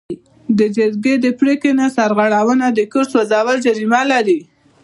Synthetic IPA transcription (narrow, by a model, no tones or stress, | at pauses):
d̪əd͡ʒəɾɡed̪əpɽekenasaɾɣaɽawənad̪əkəɾswazawəld͡ʒaɾimalaɾi